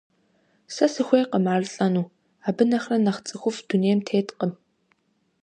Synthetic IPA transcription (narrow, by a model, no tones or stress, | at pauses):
sɐsɨxʷejqəmaːrɨɬʼɐnuː | aːbɨnɐxrɐnɐχt͡sʼɨxʷʊfd̥uneːmtʰeːtqən